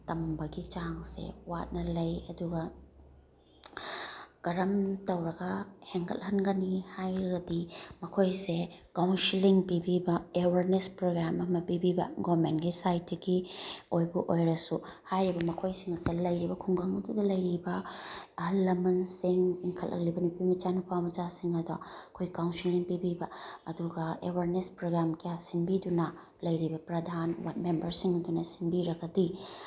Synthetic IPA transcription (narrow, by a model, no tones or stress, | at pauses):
tɐmbɐɡit͡ʃaŋsḛwat̚nɐlɐjɐduɡɐ | ɡ̥ɐɾɐmtɐwɾɐɡɐheŋkʰɐ̰lhɐnɡɐnihajɾɐɡɐdimɐkʰojsekawnsiliŋpibibɐewɐɾnespɾoɡɾamɐmɐpibibɐ̰ɡomentɡisajtːɐɡiojbɐʔojɾɐsuhajɾibɐmɐkʰojsiŋɐsɐlɐjɾibɐkʰuŋɡɐŋɐdudɐlɐjɾibɐ | ɐlːɐmɐnsiŋiŋkʰɐlʔɐ̰klibɐnupimit͡ʃanupʰawmɐd͡ʒasiŋɐdaɐkʰojkawnsiliŋpibibɐɐduɡɐewaɾnespɾoɡɾamkijasinbidunɐ | lɐjɾibɐpɾɐdʱanwa̰t̚membɐɾsiŋɐdunɐsinbiɾɐɡɐdi